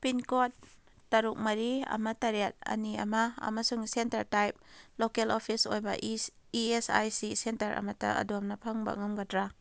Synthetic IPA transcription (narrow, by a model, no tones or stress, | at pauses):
pinkot̚ː | ɐɾuk̚mɐɾiɐ̰mɐtɐɾiat̚ɐ̰niɐ̰maɐ̰mɐsuŋsentɐɾtajp̚lokelopʰisojba̰ | iesa̰jsisentɐɾʔɐ̰mɐta̰ʔɐ̰domnɐpʰaŋba̰ŋɔmɡatɾa